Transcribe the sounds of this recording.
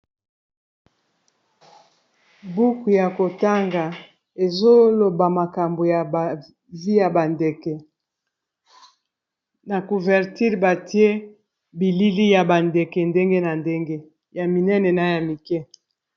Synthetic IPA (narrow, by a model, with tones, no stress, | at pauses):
bu˦ku˨ja˨ko˨ta˦ŋɡa˨ | e˨zo˦lo˨ba˨ma˨ka˨mbo˨ja˨b | vi˦ja˨ba˨ndɛ˨kɛ˨ | na˨ku˨vɛ˨ʁti˦ʁba˨ti˦e˦ | bi˨li˦li˦ja˨ba˨ndɛ˨kɛ˨nde˦ŋɡe˦na˨nde˦ŋɡe˦ | ja˨mi˨nɛ˦nɛ˨na˨ja˨mi˨kɛ˦